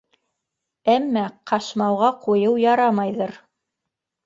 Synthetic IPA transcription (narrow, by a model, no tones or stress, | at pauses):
æmːæqʰɑʃmɑwʁɑqujɤwjɑɾɑmɑjðɤɾ